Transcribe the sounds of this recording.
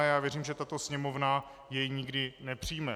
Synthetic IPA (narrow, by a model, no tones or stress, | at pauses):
jaːvjɛriːmʒɛt̪at̪o̞sɲɛmovna | jɛjɲɪɡdɪnɛpr̝̥iːmɛ